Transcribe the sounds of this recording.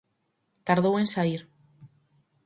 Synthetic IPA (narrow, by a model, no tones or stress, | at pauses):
t̪aɾðowe̞nsaiɾ